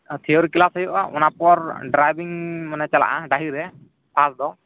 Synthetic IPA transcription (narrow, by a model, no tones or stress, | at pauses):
t̪ʰɛjɔɾkilasajɔʔa̰ʔɔ̰napɔɾɖɾajbiŋmɔnɛt͡ʃala̰ʔaɖaɦiɾɛ | pʰasd̪ɔ